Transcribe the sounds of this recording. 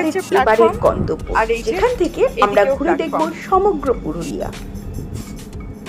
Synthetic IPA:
ɾeebaɾeɾɡɔ̰nt̪obːo̰d͡ʑekʰanet̪ʰekeamɾaɡʱuɾed̪ekboʃɔmoɡɾopuɾulḭja̰

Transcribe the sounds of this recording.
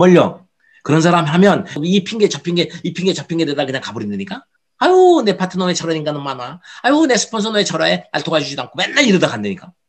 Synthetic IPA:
mʌʎːʌ | kɯɾʌns̬ʰaɾamiɦamjʌnipʰiŋɡet͡ɕapʰiŋɡe̞ipʰiŋɡet͡ɕapʰinŋɡe̞dedakɯɲaŋkabɯɾindɯɲik͈a | ajone̞pʰatʰɯnoet͡ɕʰaɾwaɲiŋɡanɯnmanaajone̞sʰɯ̥pʰʌns̬ʰʌnoet͡ɕʰaɾwae̞na̰ɭtʰoɡad͡ʑud͡ʑidoaŋkʰomenːaɭiɾɯdakandeɲik͈a

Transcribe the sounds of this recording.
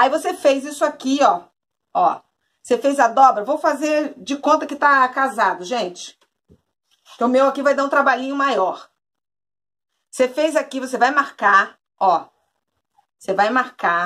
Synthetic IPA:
aivosefejzisʊakiɔ | ɔ̰ | sefejzɐd̪ɔbɾɐvowfazeɾd͡ʒɪkõnt̪ɐkɪt̪akazad̪ʊʒẽt͡ʃɪ̥ | kʊmewakivajd̪aũt̪ɾabaʎĩɲʊmajɔɾ | sefejzakivos̬evajmaɾka | ɔ | osevajmaɾka

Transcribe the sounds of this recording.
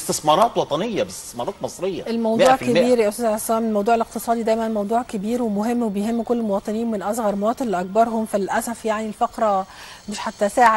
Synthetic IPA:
st̪esmɑːɾˤɑːt̪wɑt̪ˤɑnejːæbest̪e̥smɑːɾˤɑːt̪mɑsˤɾejːɑʔelmɑwd̪ˤːʕkebiːɾjæʔost̪æːzʕesːæːmelmɑwd̪ˤuːʕeleqt̪ɨsˤɑːd̪id̪æjmænmɑwd̪ˤuːʕkebiːɾwemoɦemːwebejɦemːkolːmowɑːt̪ˤeniːwmenʔɑsˤɣɑɾˤmowɑːt̪ˤenleʔæk̚bɑɾˤɦomfælʔæsæfjaʕnilfɑqɾˤɑ | meʃħat̪ːæsæːʕe

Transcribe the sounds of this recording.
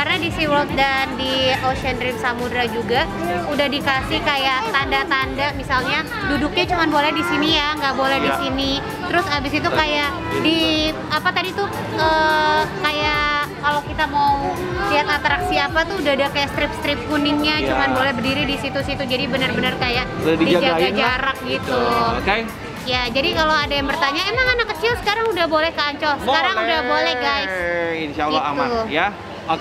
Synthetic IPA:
karnadisiwəlt̪̚dandioʃɛnɾɪmsamudɾad͡ʒuɡa | udahdikasɪhkajaʔt̪andat̪andamisalɲa | dudʊk̚ɲat͡ʃumanbolɛhdisinijaŋɡaʔbolɛhdisini | t̪əɾʊsabɪsit̪̬ukajaʔ | di | apat̪adit̪u | əːkajaʔkalawkit̪amau | liɦat̪at̪ɾaksiapat̪uudahdakajaʔst̪ɾɪp̚st̪ɾɪp̚kunɪŋɲat͡ʃumanbolɛhbərdiɾidisit̪usit̪ud͡ʒadibənərbənərkajaʔdadidid͡ʒad͡ʒad͡ʒaɾak̚ɡit̪ukej | jad͡ʒadikaloadajaŋbərt̪aɲaemaŋanakːət͡ʃɪlsə̥kaɾaŋudahbolɛhkaɲt͡ʃɔlsəkaɾaŋudahbolɛhɡajsinʃalːaamauja | k

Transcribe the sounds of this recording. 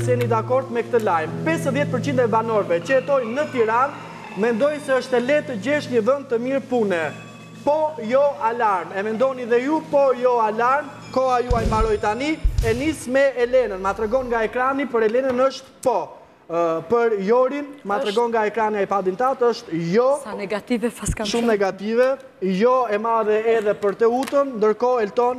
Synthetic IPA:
sɛnid̪akɔɾd̪mɛkt̪əlajmpɛsəðjɛt̪̚pəɾt͡ɕind̪ɛbanɔɾvɛt͡ɕəɛt̪ɔjnət̪iɾan | mɛnd̪ɔjsɛəʃt̪ɛlɛt̪əd͡ʑɛʃɲəvən̚t̪əmiɾpunɛ | pɔjɔalaɾmɛmɛnd̪ɔniðɛjupɔjɔalaɾm | kɔajuajmaɾɔjt̪aniɛnismɛɛlɛnənmat̪ɾɛɡɔnŋɡaɛkɾanipəɾɛlɛnənəʃt̪pɔ | pəɾjɔɾinmat̪ɾɛɡɔnŋɡaɛkɾaniaɛpad̪int̪at̪əʃt̪jɔ | vʃumnɛɡat̪ivɛ | jɔɛmaðɛɛðɛpəɾt̪əut̪ənnd̪əɾkɔɛlt̪ɔn

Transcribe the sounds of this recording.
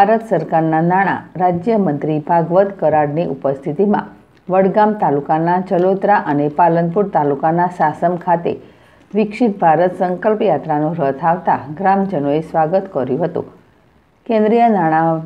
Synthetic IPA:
bʱaɾət̪səɾkaɾnanaɽ̃a̰ɾad͡ʒjəmənt̪ɾibʱaɡʋət̪kəɾaɽniʔupəst̪ʰit̪imã̰ | ʋəɽɡamt̪alukanat͡ʃəlot̪ɾaʔənepalənpuɾt̪alukanasasəmkʰat̪ḛ | ʋɪkʂit̪̚bʱaɾət̪səŋkəlpjat̪ɾanũɾət̪ʰaʋt̪a̰ɡɾamd͡ʒənoesʋaɡət̪kəɾjũɦət̪ṵ̃ | kẽnd̪ɾijənaɽ̃a

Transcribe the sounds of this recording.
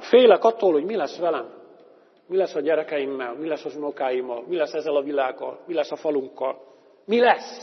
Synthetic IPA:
feːjlɛkɒt̪ːoːlhoɟmilɛsʋɛlɛm | milɛsːɒɟɛɾɛkɛjimːɛlmilɛsːɒzunokaːjimːɒlmilɛsːɛzːɛlɒvilaːɡːɒ̰lmilɛsːɒfɒluŋkːɒl | milɛs

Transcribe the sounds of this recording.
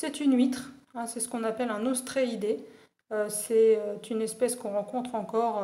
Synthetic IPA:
sɛt̪ynɥit̪χɛ̃sɛsə̥kɔ̃napɛlɛ̃nost̪χeid̪e | øsɛøt̪ynɛspɛskɔ̃ʁɑ̃kɔ̃t̪χɑ̃kɔʁ

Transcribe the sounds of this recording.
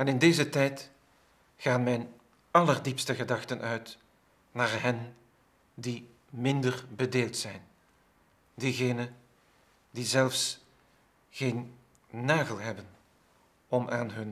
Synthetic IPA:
ɛnɪndeːzətɛjt | xaːnmɛjn | ɑlərdipstəɣədɑxtənʔœɥt | naːrɦɛn | di | mɪndərbədeːlˠtsɛjn | diɣeːnə | d̥izɛlfs | ɣeːnː | aːɣəlˠɦɛbən | ɔmʔaːnɦɵn

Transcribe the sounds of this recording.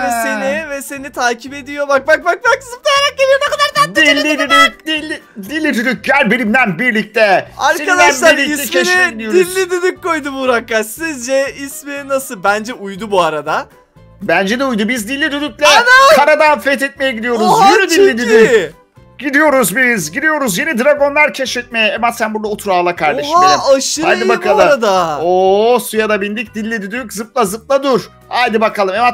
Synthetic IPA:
ɛsenivɛse̞nit̪ʰaːcʰipe̞d̪ijo̞bak̚bak̚bak̚bakʰɯzɯp̚t̪ajaɾak̚ɟebijɾnɛkʰad̪aɾd̪ad̪ilʲːid̪yd̪yd̪ilʲːi | d̪ilʲːid̪yd̪yc̚ɟælʲbenimd̪ænbiɾlʲic̚t̪ʰɛaɾad̪aʃlˠaɾlʲiisɛmiʃnid̪ʲijd̪ilʲːid̪yd̪ykkːo̞jd̪ubuɾakːaʃsizd͡ʒɛismininasɯbænd͡ʒɛʔujd̪ubuaɾad̪a | bænd͡ʒɛd̪ɛujd̪ubizd̪ilʲːid̪yd̪yk̚lʲɛanakaɾad̪anfɛt̪ʰɛt̪̚mejɛɟid̪ijo̞ɾuzjid̪ilʲːid̪yd̪y | ɟid̪ijo̞ɾuzbizɟid̪ijo̞ɾuzjenid̪ɾaɡo̞nlˠaɾcʰɛʃɛt̪̚mejɛemat̪sænbuɾd̪aot̪ʰuɾaːlˠakʰaɾd̪eʃɦaeɾːʃɯaj̪ɯbakalˠaɯɾad̪aosujad̪abind̪ic̚d̪ilʲːid̪yd̪yczɯp̚lˠazɯp̚lˠad̪uɾ̥ | ajd̪ɯbakʰalˠɯmema

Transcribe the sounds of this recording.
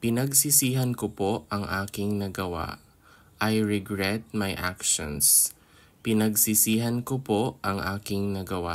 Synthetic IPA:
pɪnɐɡsɪsiːɦɐnkopoʔɐŋʔaːkɪŋnɐɡɐwa̰ʔ | ʔɐjɹɛɡɹɛt̪̚mɐjʔa̰kʃo̰ns | pɪnɐɡsɪsiːɦɐnkopoʔʔɐŋʔaːkɪŋnɐɡɐwa

